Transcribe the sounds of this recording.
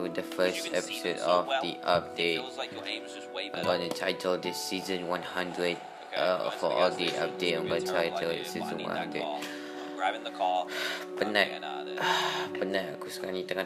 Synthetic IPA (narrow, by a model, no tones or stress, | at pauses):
udəfəstɛpi̥sodɔfdiʔap̚det̚ | ãmɡɔnətʰajtʰəldɪsizə̃nwãnhãndɹəd̚ | fɔʔɔldiʔap̚det̚ãmɡɔntʰajtʰəldɪ̰sizə̃nwã̰nhã̰ndɹə̰d̚ | pənaʔ̚ | pənaʔ̚akuskanĩt̪əŋã